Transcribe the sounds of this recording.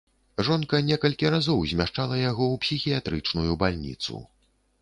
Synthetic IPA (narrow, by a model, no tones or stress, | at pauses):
ʐɔnkɐnʲɛkɐlʲkʲiɾazɔwzʲmʲaʂt͡ʂalˠɐjaɣɔwpsʲixʲijat̪ɾɨt͡ʂnujubalʲnʲḭt̪sṵ